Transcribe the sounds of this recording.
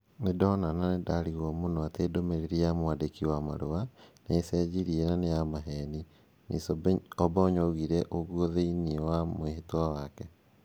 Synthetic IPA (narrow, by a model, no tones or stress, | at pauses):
nedɔnananedaɾiɣɔmonɔateːdomeɾeɾiamoadekiwamaɾowaneːsɛːd͡ʑiɾienanejamaɦɛni | nʔḭsɔbaoɲɔɣiɾɛʔoɣwɔðeiniewamoeɦetwawakɛ